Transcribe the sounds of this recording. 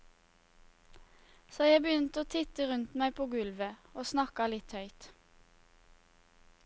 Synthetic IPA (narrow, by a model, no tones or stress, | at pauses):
soːjæɪbəjʏnt̪əoːt̪ʰɪt̪əʁʉnt̪mæɪpʰoːɡʉlʋəoːsnɑkɑlɪt̪hœʏt̪